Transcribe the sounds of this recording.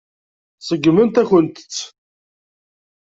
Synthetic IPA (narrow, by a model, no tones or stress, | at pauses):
səɡːmənt̪æçənt̪ə̥t͡sː